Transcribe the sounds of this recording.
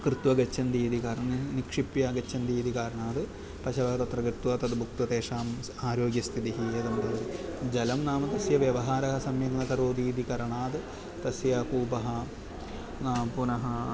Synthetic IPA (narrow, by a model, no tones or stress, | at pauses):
kɾɨt̪ʋɐɡɐt͡ɕːɐnd̪iːd̪ikaːɾɐɳɐnnikʂipːjɐɡɐt͡ɕːɐnd̪iːd̪ikaːɾɐɳaːd̪ɨ | pɐʃɐʋɐɦɐt̪ɐt̪rɐkɾɨt̪ʋɐt̪ɐd̪ɨbʱuk̚t̪ɐt̪eːʂaːm | aːɾo̞ːɡjɐst̪ʰit̪iɦied̪uɳɖɐðɐɨd͡ʑɐlɐmnaːmɐt̪ɐsjɐʋjɐʋɐɦaːɾɐɦɐsɐmjɐŋnɐkɐɾoːd̪iːd̪ikɐɾɐɳaːd̪ɨ | t̪ɐsjɐkuːpɐɦɐ | naːmpunɐɦɐ